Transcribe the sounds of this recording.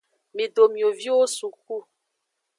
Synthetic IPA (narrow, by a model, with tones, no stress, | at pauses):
mi˨do˨mjo˨vi˦o˦su˨k̚u˦˨